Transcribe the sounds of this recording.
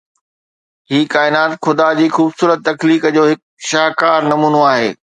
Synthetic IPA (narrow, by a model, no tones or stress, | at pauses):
ɦiːkaːɪnaːt̪xʊd̪ad͡ʑiːxuːbsuːɾət̪ːɐkliːkd͡ʑoːɦɪk̚ | ʃaɦkaːɾnɐmuːnoaːɦḛː